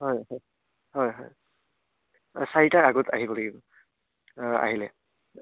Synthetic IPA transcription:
ɦɔjɦɔj | ɦɔjɦɔj | saitaɹaɡɔtʰa̰ɦibɔlaɡibɔ | a̰ɦilɛ̰

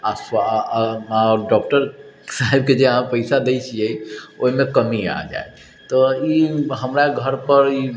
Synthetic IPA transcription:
asa | ɔɾɖɔk̚ʈəɾsaɦib̚ked͡ʒeəɦãpəɪsad̪eɪt͡ʃʰijɛoɦimekəmia̰d͡ʒa̰e | t̪ɔiɦəmɾaɡʱəɾpəɾi

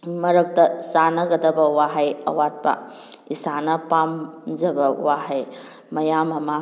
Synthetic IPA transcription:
mɐɾɐk̚tɐsanɐɡɐdɐbɐwaɦajɐ̰wat̚pɐ̰ | isanɐpamd͡ʒɐbɐṵwaɦaj | mɐjamɐma

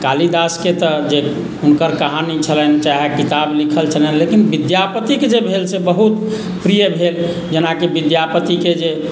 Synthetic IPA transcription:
kalid̪asket̪əd͡ʒe | unkəɾkaɦanit͡ʃʰəlɛnt͡ʃaɦekit̪ablikʰəlt͡ʃʰəlɛenlekinbid̪japət̪iked͡ʒebʱelsebəɦut̪ | pɾijəbʱel | d͡ʒenakebid̪japət̪iked͡ʒe

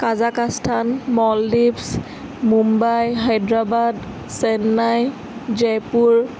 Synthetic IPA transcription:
kazakastʰanmɔlːips | mumbajɦajdɹabad | sɛnːaj | d͡ʒɛpuɹ

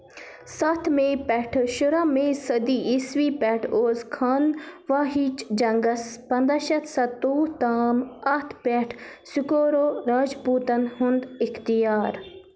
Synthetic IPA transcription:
sɐt̪ʰmẽːpɛʈʰʃuɾamẽːsɐd̪iːisʋiːpɛʈʰoːzkʰɐnʋaːɦit͡ʃd͡ʒɐŋɡɐspɐnd̪ɐʃɐt̪ʰsɐt̪uːt̪aːmɐt̪ʰpɛʈʰsʊkoːɾoːɾaːd͡ʒpuːt̪ɐnɦʊnd̪ɪkt̪ijaːɾ

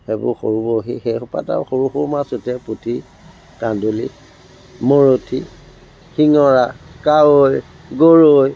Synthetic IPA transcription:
hebʊ̰ɹxoɹubɔɦixejxɔpa̰ta̰ɹxoɹuxʊɹmasʊtɛputʰi | kandolḭ | moɹotʰi | xiŋɔɹakawoj | ɡoɹoj

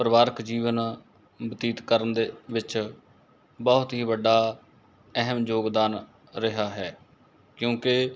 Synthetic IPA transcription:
pɾəʋaːɾəkd͡ʒiːʋən | bət̪iːt̪kəɾənd̪eʋɪt͡ʃ | bɔːʊt̪ɦiːʋəɖːaː | ɛɦəmd͡ʒoːɡd̪aːn | ɾɪɦaːɦɛː | kjõːkɪ

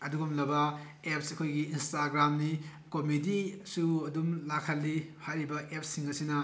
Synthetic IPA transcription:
ɐduɡumlɐbɐ | ep̚sɐkʰojɡiːnstaɡɾamni | komidisuɐdumlakʰɐlːipʰaɾibɐʔep̚siŋɐsinɐ

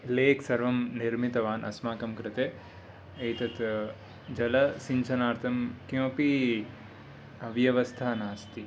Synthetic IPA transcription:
leːksɐɾʋɐmniɾmit̪ɐʋaːnʔɐ̰smaːkɐmkɾɪt̪eː | ejt̪ɐt̪ | d͡ʒɐlɐsiɲt͡ʃʰɐnaːɾt̪ʰɐmkjõːpi | ɐʋjɐʋɐst̪ʰaːnaːst̪i

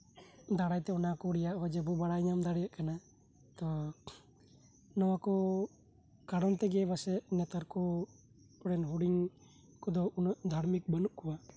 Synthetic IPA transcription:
d̪aɽajt̪ɛɔnakɔɽɛjaʔɦɔd͡ʒɛbɔbaɽajɲamd̪aɽɛjaʔkana | t̪ɔ | nɔwakɔ | kaɽɔnt̪ɛɡɛbasɛʔnɛt̪aɾkɔ | ɔɽɛnɦuɽiŋ | kɔd̪ɔunɔʔd̪ʱaɾmik̚bənuʔkɔwa

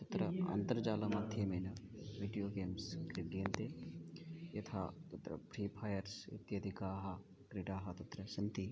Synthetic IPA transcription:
t̪ɐt̪ɾɐɐ̰nt̪ɐɾd͡ʒaːlɐmɐt̪ʰjemenɐʋiɖijoːɡeːmskɾiɖijɐnt̪e | jɐt̪ʰa̰ːt̪ɐt̪ɾɐ̰pɾiːpʰaːjɐɾsḭt̪jɐd̪ʱikaːɦɐ | kɾiʈaːɦɐt̪ɐt̪ɾɐsɐnt̪i

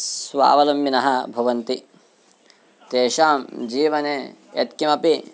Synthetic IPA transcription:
sʋa̰ːʋɐlɐmːinɐɦɐbʱɐʋɐnt̪i | t̪eːʃaːmd͡ʒiːʋɐneːḛt̪kimɐpi

